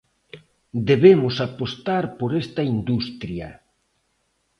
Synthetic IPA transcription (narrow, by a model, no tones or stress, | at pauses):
d̪eβemʊsapost̪aɾpoɾest̪ɐind̪ust̪ɾjɐ̰